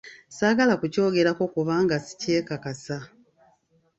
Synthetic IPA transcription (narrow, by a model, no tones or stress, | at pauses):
saːɡalakuco̞ːɡe̞ɾako̞kuβaːŋɡasi̥ce̞ːkakasa